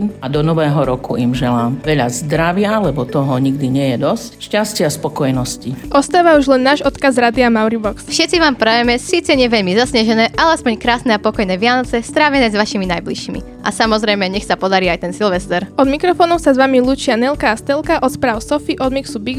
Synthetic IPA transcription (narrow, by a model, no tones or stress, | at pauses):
mad̪ɔnɔʋɛːɦɔɾɔkuimʒɛlaːmʋɛʎazd̪ɾaʋɪalɛbɔt̪ɔɦɔɲiɡ̚d̪iɲɪɛjɛd̪ɔscʃcascɪaspɔkɔjnɔsciʔɔst̪aːʋauʒlɛnːaːʒɔt̪kazɾad̪iamaʊɾibɔksfʃɛt̪t͡siʋaːmpɾajɛmɛsiːt͡sɛɲɛʋɛʎmizasɲaʒɛnɛːʔalɛaspɔɲkɾaːsnɛapɔkɔjnɛːʋɪanɔt͡sɛst̪ɾaːʋɛnɛːzʋaʃiminajbliʃimḭ | ʔasamɔzɾɛjmɛɲɛxsapɔd̪aɾiːajt̪ɛnsilʋɛst̪ɛɾɔd̪mikɾɔfɔːnɔʊsazʋamilˠuːt͡ʃɪanɛlkaːst̪ɛlˠkaʔɔt̪spɾaːʊsɔfiʔɔd̪miksubiɡ